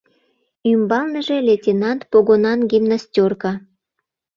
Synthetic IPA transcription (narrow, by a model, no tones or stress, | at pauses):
ymbɑlnəʒe̽lʲetʲinɑnt̪poɣonɑnɡʲimnasʲtʲorkɑ